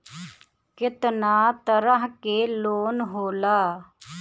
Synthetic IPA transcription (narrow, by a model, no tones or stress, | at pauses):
kɪt̪naːt̪əɾəɦkeːloːnɦoːlaː